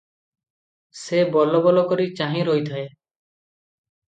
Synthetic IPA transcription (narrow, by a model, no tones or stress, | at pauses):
sebɔlɔbɔlɔkɔɾit͡ʃaɦĩɾoit̪ʰae